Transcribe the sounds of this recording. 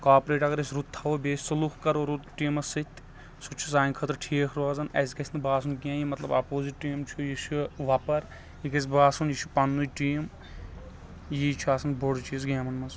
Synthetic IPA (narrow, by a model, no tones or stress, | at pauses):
kaːpɾeːʈɐɡɐɾɐsʲɾut̪ʰːɐʋobeːsʲsɐluxkɐɾoɾut̪ʈiːmɐsit̪ʲ | sut͡ʃʰus̬aːinʲkʰɐt̪ɾʈʰiːkʰɾaːzɐnɐ̰s̬ikɐsʰʲnɨbaːs̬unk̬ʲãːjimɐt̪lɐbɐ̰poːziʈʈːiːmt͡ʃʰujiʃuʋɐpɐɾ | jikɐs̬ʲbaːsunjiʃu̥pɐnːujʈiːm | jit͡ʃʰaːsɐnboɽt͡ʃʰiz̬ɡeːmɐnmɐns